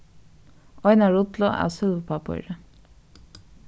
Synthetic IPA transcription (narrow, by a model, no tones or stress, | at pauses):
ɔʏnɑɹʊt̪lɔʔæ̰ːsʏlʋəpʰɑpɔ̰ʏɾə